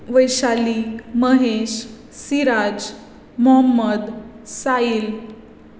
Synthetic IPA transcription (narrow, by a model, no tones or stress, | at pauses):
ʋəjɕaliməɦeɕ | siɾad͡ʑ | mɔɦəmːəd̪ | sail